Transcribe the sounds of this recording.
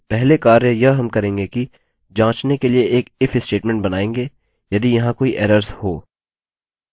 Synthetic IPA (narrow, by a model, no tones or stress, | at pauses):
pɛɦlekaːɾejɐɦɦɐmkɐɾẽːŋɡeki | d͡ʒãːt͡ʃnekelieeːkɪfɪsʈeːʈmɛ̃ɳʈ̚bɐnaːẽːŋɡeː | jɐd̪ijɐɦãkoːiʔɛːɾəɾzhoː